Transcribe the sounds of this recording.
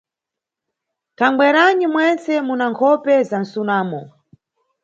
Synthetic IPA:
taŋɡ͡bwɛɾanimwɛnt͡sɛmunaŋkʰɔpɛzan̩sunaːmɔ

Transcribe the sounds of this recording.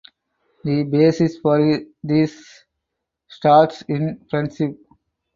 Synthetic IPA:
d̪ibeːsisfɔːɾd̪is | ʈaːɾʈsɪ̃npɾɛ̃nsip

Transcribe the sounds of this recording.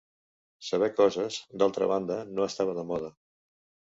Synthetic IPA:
səβ̞ɛkɔzəzd̪alˠt̪ɾə̰βand̪ənoəst̪aβ̞əðəmɔð̞ə

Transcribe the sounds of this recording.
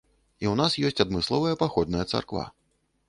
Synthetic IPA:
iwnasjɔsʲt͡sʲad̪mɨslˠɔvɐjɐpaxɔd̪̚nɐjɐt̪sa̰rkva̰

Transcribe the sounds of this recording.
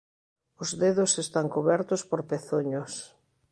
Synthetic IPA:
ʊzðeðʊsest̪aŋkoβɛɾt̪ʊspoɾpeθoɲʊs

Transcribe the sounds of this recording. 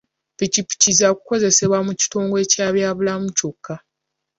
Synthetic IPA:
picipi̥cizakuko̞ze̞se̞βwamuci̥to̞ːŋɡoe̞caːβjaːβulamucokːa

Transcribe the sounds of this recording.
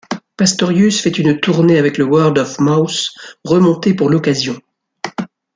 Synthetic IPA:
past̪ɔʁjysfɛt̪ynt̪uʁneavɛkləwœʁld̪ɔfmawsʁəmɔ̃t̪epuʁlɔkazjɔ̃

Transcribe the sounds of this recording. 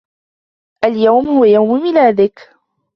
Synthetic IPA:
ʔaljawmhʊwajawmmɪlaːd̪ɪk

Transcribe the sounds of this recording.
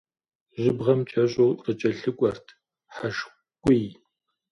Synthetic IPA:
ʒɪbʁɐmt͡ʃʰʼɐɕʼoːqət͡ʃʼɐɬɨkʷʼɔrtʰ | ħaʃ | kʷʼij

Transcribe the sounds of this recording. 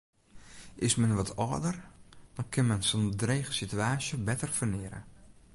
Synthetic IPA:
ʔɪsmɛnʋɔtʰɔdərd̥ɔnkʰɪnmɛnsondreːxəsityaːsjəbɛtərfərnɪəɾə̰

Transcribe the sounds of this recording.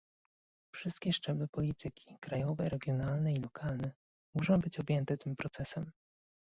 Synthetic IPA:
fʂɘst̪̚kʲɛʂt͡ʂɛblɘpɔlʲit̪ɘkʲi̥kɾajɔvɛɾɛɡʲjɔnalnɛilɔkʰalnɛ | muʂɔ̃w̃bɘt͡ɕɔbʲjɛnt̪ɛt̪ɘmpɾɔt̪sɛsɛm

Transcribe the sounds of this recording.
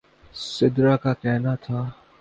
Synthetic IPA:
sɪd̪ɾakakɛɦnat̪ʰaː

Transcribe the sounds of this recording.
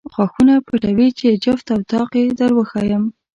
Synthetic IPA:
xwaxunapəʈawit͡ʃed͡ʒəft̪awt̪ɑqjed̪əɾwəxɑjəm

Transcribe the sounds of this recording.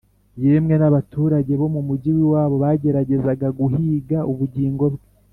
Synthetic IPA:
jemŋe̞naβatuːɾaɟe̞βo̞mumuɟiwiwaːβo̞βaɟe̞ɾaɟe̞zaɡaɡuhiːɡaʔuβuɟiːŋɡo̞bɡe

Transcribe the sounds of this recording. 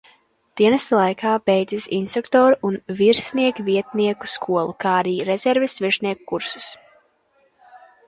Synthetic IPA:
d̪̥iɛnɛst̪lˠajkʰaːbejd̪zisḭnst̪ɾukt̪ɔːɾuʔunviɾsniɛkviɛt̪niɛku̥skʰuɔlˠukaːaɾiːɾezʲɛɾvɛsviɾʃniɛkukːuɾsu̥s

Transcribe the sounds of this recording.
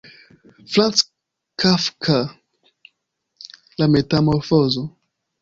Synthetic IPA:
flãns | kʰafkʰa | lamet̪amɔɾfɔzɔ

